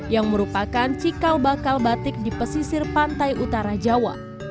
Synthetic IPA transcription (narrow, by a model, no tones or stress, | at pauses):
jaŋməɾupakant͡ʃikalbakalbat̪ɪk̚dipəsisɪrpant̪ajʔut̪aɾad͡ʒawa̰